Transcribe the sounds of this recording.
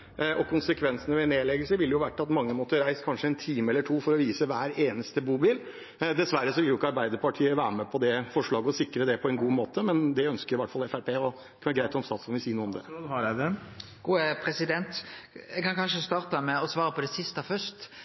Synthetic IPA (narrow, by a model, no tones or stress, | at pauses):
ɔkʰʊnsəkʰʋɛnsənəʋɛneːlɛɡəlsəʋɪlːjʊʋæʈːɑt̪mɑŋːəmot̪əɾæɪskʰɑnʂəɛnt̪ʰiːməɛlːəʈʰuːfɔɾɔʋiːsəʋæːɾeːnəst̪əbuːbɪl | d̪ɛsʋæɾːəsɔʋɪljʊɪkːəɑɾbæɪd̪əɾpʰɑʈʰiːəʋæːɾəmɛpʰɔd̪ɛfɔʂɭɑːɡəɔsɪkɾəd̪ɛpʰɔɛnɡuːmoːt̪əmɛnd̪ɛœnskəɾjʊʋɑʈːfɑlɛfæɾpʰeːɔ | kʰnəɡɾæɪt̪ɔmst̪ɑːt̪sɔnʋɪsiːnuːɔmd̪ɛ̰hɑɾæd̪ɛ | ɡ̥uːəpʰɾɛsɪd̪ɛnt̪jɛkɑnkʰɑnʂəst̪ɑːʁt̪əmɛɔsʋɑːɾəpʰɔd̪ɛsɪst̪əfœʂt̪